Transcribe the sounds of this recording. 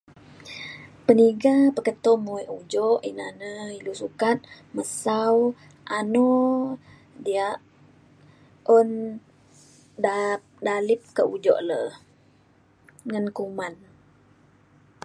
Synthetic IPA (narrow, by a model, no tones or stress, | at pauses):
pəniɡapəkət̪ɔmuiʔud͡ʒɔʔina̰nəilusukat̪̚ | məsaw | ʔanɔ | diaʔ | on | dapdalip̚kəʔud͡ʒɔ̰ʔlə | ŋənkuman